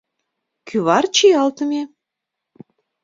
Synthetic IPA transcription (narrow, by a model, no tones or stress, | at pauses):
kʰyβɑrt͡ɕijɑlt̪ə̆mʲe